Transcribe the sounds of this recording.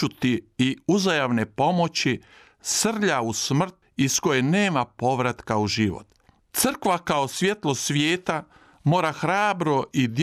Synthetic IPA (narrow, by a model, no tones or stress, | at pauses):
ut̪iːuzajaʋne̞po̞mo̞t͡ɕi | sr̩ʎausmr̩t̪ | isko̞jeneːmapo̞ʋɾat̪kauʒiʋo̰t̪ | t̪sɨr̩kʋakao̞sʋʲje̞t̪lˠo̞sʋjeːt̪a | mo̞ːɾaxɾaːbɾo̞ʔid̪j